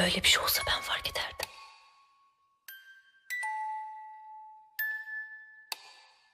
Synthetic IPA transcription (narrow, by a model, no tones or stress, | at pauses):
øjlʲebiʃoxsabænfaɾked̪æɾd̪im